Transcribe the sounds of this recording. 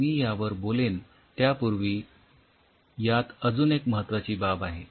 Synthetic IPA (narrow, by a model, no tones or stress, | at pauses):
iːjaʋəɾbolen | t̪japuɾʋiː | jat̪əd͡zuːnekməɦət̪ːʋat͡ɕiːbabaɦe